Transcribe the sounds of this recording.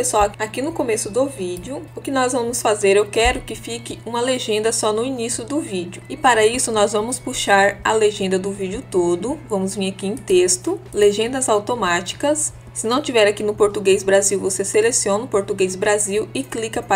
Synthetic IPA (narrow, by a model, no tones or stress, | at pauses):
peswawakinʊkomesʊd̪ʊvid͡ʒjʊʊkɪnɔzvɐ̃mʊsfazeɾewkɛɾʊkɪfikɪũmɐleʒẽnd̪ɐsɔnʊinisjʊd̪ʊvid͡ʒʊɪpaɾɐisʊnɔzvɐ̃mʊspuʃaɾɐ̰leʒẽnd̪ɐd̪ʊvid͡ʒʊt̪od̪ʊvɐ̃mʊzvĩɾakiẽt̪est̪ʊleʒẽnd̪ɐzawt̪omat͡ʃi̥kɐsː | ɪnɐ̃w̃t͡ʃivɛɾakinʊpoɾt̪uɡezbɾaziwvoseselesiõnɐʊpoɾt̪uɡejzbɾaziwɪklikɐpa